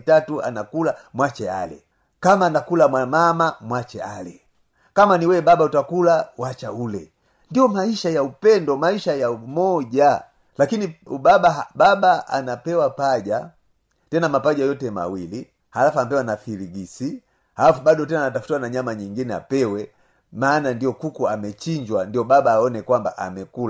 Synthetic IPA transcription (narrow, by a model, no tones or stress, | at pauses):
tatua̰nakulamwat͡ʃɛa̰lɛ̰ | kamaːnakulamwamamamwat͡ʃɛa̰lɛ | kamaniwɛbabautakulawat͡ʃaulɛ | ndijɔmaiʃajaupɛndɔmaiʃajaumɔɟa | lakiniubabaɦababaa̰napɛwapaʄa | tɛnamapaʄajɔtɛma̰wili | halafuanapɛwanafiɾiɡisi | halafubaɗɔtɛnaːnatafu̥twanaɲamaɲiŋɡinɛa̰pɛwɛ | maːnandijɔkukuamɛt͡ʃiɲd͡ʒwandijɔbabaːɔnɛkwambaʔa̰mɛkul